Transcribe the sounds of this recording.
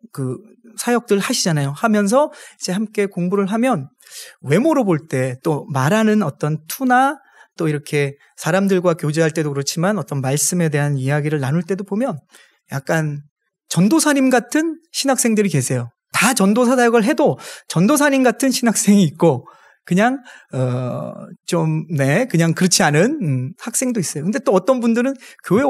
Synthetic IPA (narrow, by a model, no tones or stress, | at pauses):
kɯ | sʰajʌk̚t͈ɯɭhaɕʰid͡ʑanajohamjʌns̬ʰʌid͡ʑe̞hamk͈e̞koŋbuɾɯɭɦamjʌn | we̞moɾoboɭt͈e̞t͈omaɾanɯnʌt͈ʌntʰuna | t͈oiɾʌkʰe̞ | sʰaɾamdɯɭɡwakjod͡ʑeɦaɭt͈e̞dokɯɾʌt͡ɕʰimanʌt͈ʌnmaɭs͈ɯme̞de̞ɦanijaɡiɾɯɭnanuɭt͈e̞dobomjʌn | jak̚k͈an | t͡ɕʌndosʰaɲimɡatʰɯnɕʰinak̚s͈e̞ŋdɯɾike̞sʰe̞jo | tat͡ɕʌndosʰas̬ʰajʌɡɯɭɦe̞dot͡ɕʌndosʰaɲimɡatʰɯnɕʰinɦak̚s͈e̞ŋiːt̚k͈o | kɯɲaŋʌ | t͡ɕomne̞kɯɲaŋkɯɾʌt͡ɕʰianɯnhak̚s͈e̞ŋdois͈ʌjokɯnde̞t͈oʌt͈ʌnbundɯɾɯnkjoe